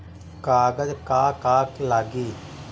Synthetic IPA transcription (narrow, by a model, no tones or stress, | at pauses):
kaːɡəd͡ʒkaːkaːklaːɡiː